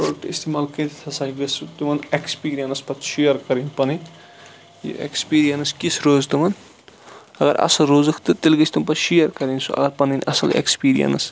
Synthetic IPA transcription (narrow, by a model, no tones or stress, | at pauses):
pɾoːɖkʈḭst̪imaːlkɐt̪ʰt̪ʰɐsaːiɡɐsut̪umɐnekspiːɾijɐnɐspɐt̪ʰʃijɐɾkɐɾinpɐnin | jḭḛkspiːɾijɐnɨskisɾoːzt̪umɐn | ɐɡɐɾɐ̰sɐlɾoːzɨkʰt̪ɨt̪ilɡɐsʰʲt̪umpɐtʃijɐɾkɐɾinʲsuɐ̰ɡɐɾpɐninʔɐ̰sɐlḛkspiːɾḭjɐ̰ns